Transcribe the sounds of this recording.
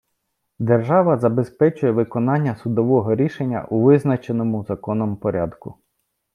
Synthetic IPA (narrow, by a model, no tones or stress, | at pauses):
d̪erʒɑʋɐzɐbespɛt͡ʃʊjɛʋɪkɔnɑnʲːɐsʊd̪ɔʋɔɦɔɾʲiʃenʲːɐ̰ʔuʋɪznɐt͡ʃenɔmʊzɐkɔnɔmpɔɾʲɑ̰d̪kʊ